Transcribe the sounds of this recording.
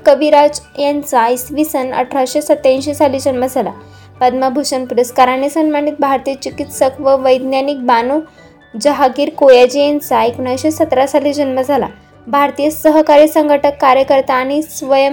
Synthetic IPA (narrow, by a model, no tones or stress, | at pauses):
kəʋiɾad͡zjant͡saisʋisənə̰ʈʰɾaɕesət̪ːãnɕesaliːd͡ʑənməd͡zʱala̰ | pəd̪məbʱuɕənpuɾəskaɾanesənmmaɳiːt̪̚bʱaɾt̪iət͡ɕikit̪səkʋəʋəjd̪njanik̚bano | d͡ʑəɦaɡiːɾkojad͡ʑijant͡saekɳajɕesət̪ɾasalid͡ʑənməd͡zʱala̰ | bʱaɾt̪ijəsəɦkaɾiːsəŋɡʱəʈəkːaɾjəkəɾt̪aːñisʋəjə